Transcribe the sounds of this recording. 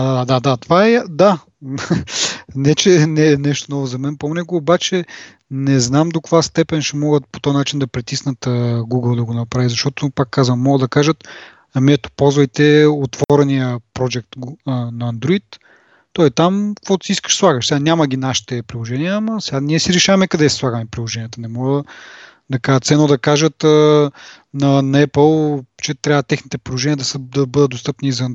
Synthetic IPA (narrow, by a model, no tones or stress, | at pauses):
ad̪ad̪ad̪ad̪at̪ovaɛad̪a | nɛt͡ʃɛnɛnɛʃt̪onɔvozɐmɛnponɛɡoːbat͡ʃɛ | nɛznamd̪okovast̪ɛpɛnʃɛmɔɡət̪̚pot̪ɔjnat͡ʃind̪ɐpɾit̪isnət̪əɡuɡəlˠd̪ɐɡonɐpɾavizɐʃt̪ɔt̪opakːazvəmːɔɡəd̪ɐkaʒət̪ | miɛt̪o̥pɔlˠzvɐjt̪ɛot̪vɔɾɛnijəpɾod͡ʒɛk̚t̪ɡnɐːnd̪ɾoit̪ː | ɔit̪amkkvɔt̪ʊ̥siiskə̥ʃslˠaɡəʃsɛɡanʲaməɡʲinaʃi̥t̪ɛpɾilˠoʒɛniəːmɐsɛɡanʲiɛsiɾɛʃavɐmɛkɐd̪ɛsi̥slˠaɡəmɛpɾilˠoʒɛnijət̪ɐnɛmɔɡə | d̪ɐkat̪sɛnod̪ɐkaʒət̪ə | nɐnɐɛpəlˠt͡ʃɛt̪ɾʲavət̪ɛxnit̪ɛpɾilˠoʒɛniəd̪ɐsəd̪ɐbɤd̪ət̪̚d̪ost̪ɤpniːzvən